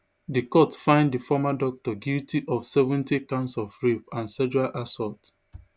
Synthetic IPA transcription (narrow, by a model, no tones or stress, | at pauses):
dikɔtfãɪ̃nddifɔmadɔk̚tɔɡjutiʔɔfsɛvɛ̃ntikãnsɔfɹifãnsɛd͡ʒualʔasɔt